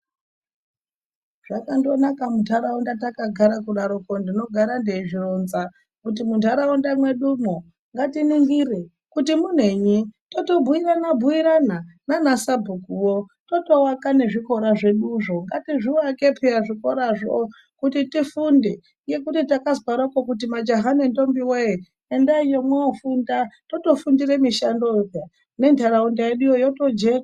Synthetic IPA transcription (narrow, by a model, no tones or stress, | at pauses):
ʐ̥akando̞nakamutʰaɾaundatakaɡʱaɾakuɗaɾokondino̞ɡʱaɾande̞iʐironza | kut̬imuntaɾaundamwe̞ɗumo | ŋɡatiniŋɡire | kutimun̤eɲito̞to̞bʱuiɾanabʱuiɾanananasabʱukuwo | to̞to̞wakane̞ʐiko̞ɾaʐe̞ɗuʐo̞ŋɡatiʐiwake̞pʰeaʐiko̞ɾaʐo̰ | kutitifunde | je̞kutitakazwaɾokokutimad͡ʒoɦanento̞mbiwe | endaijo̞mwaofundato̞to̞fundire̞miʃandova | ne̞ntʰaɾaundajeɗujojo̞to̞d͡ʒera